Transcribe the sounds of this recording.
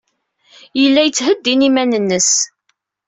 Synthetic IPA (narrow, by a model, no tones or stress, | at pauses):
jəlːæjət͡sːhəd̪ːinimænənːəs